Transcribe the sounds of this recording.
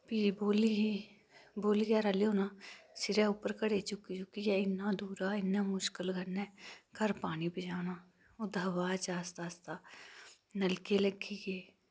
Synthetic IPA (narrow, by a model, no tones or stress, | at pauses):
piːboːlii | boːliːɡjaːɾəlijoːnaːsɪɾɛʊpəɾkəɽet͡ʃʊkit͡ʃʊkijɛɪnːaːd̪uːɾaːɪnːaːmʊʃkəlɡʱənːɛ̃ːkəɾpaːnibɪd͡ʒaːnaː | ʊd̪ʱəʋaːt͡ʃaːst̪aːst̪aː | nəlkeləɡiɡeː